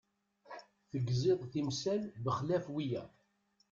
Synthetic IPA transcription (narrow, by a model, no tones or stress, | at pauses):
θəɡzeðˤθimsælbəχlæfwijæ